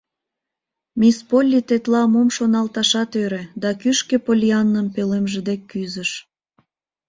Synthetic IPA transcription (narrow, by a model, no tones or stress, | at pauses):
mʲispolʲːit̪et̪lɑmomʃonɑlt̪ɑʃɑt̪øɾed̪ɑkyʃkepolʲiɑnːəmpelemʒed̪ekːyzəʃ